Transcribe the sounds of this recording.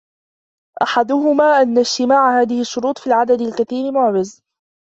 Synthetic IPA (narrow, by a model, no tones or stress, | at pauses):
ʔaħad̪ʊɦʊmaːʔanːad͡ʒt̪ɪmaːʕhaːðɪhɪʃːʊɾuːt̪ˤfiːlʕad̪ad̪alkaθiːɾɪmʊʕd͡ʒɪz